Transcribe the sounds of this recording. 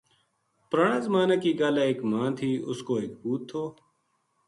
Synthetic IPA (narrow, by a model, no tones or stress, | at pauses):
pɾaːɳãːzəmaːnaːkiːɡaːlaːeːkmãːnt̪ʰiːʊskoːeːk̚buːt̪ʰːoː